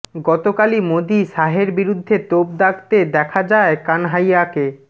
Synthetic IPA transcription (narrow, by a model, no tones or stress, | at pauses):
ɡɔt̪okalimod̪iʃaɦeɾbiɾud̪ʱːet̪ob̚d̪akt̪ed̪ɛkʰad͡ʑaekanɦajake